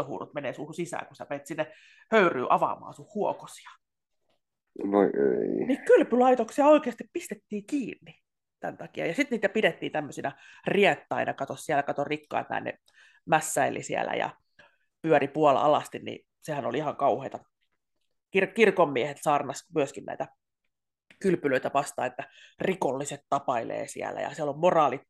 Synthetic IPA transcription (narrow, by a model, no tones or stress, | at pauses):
ohṵːrut̪meneːsuhusisæ̰ːkusæmeit̪sinːe | høyry̰ːʔɑʋɑ̰mɑ̰ːsuhhuoko̥si̥ɑ̥ | noḛinikylpylɑit̪oksiɑoikeːɑst̪ippist̪et̪ːiːkiːnːi | t̪æ̰nt̪ɑkiɑ̰jɑsit̪niːt̪æpidet̪ːiːnt̪æmːøsinæ | riet̪ːɑinɑkɑt̪ossiælækɑt̪orikːɑ̰it̪æ̰ːnḛ | mæsːæilʔḭsiæ̰læ̰jɑ̰ | pyøɾipuɑl̰ɑ̰lɑst̪innḭ | sehænolihɑŋkɑuheit̪ɑ | kirkirkomːiehet̪sɑːrnɑsmyøskinnæ̰it̪æ | kylpyløit̪æʋɑst̪ɑ̰ːnet̪ːærikolːiset̪t̪ɑpɑilḛːsḭæ̰læ̰jɑ̰siælommorɑːlit̪